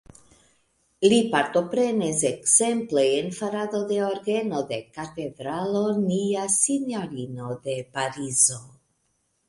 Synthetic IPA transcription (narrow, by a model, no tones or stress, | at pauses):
lipaɾt̪o̞pɾe̞nesekzempleːnfaɾad̪o̞d̪e̞oɾɡe̞no̞d̪e̞kat̪edɾalo̞niasinjoɾino̞d̪e̞paɾizo̞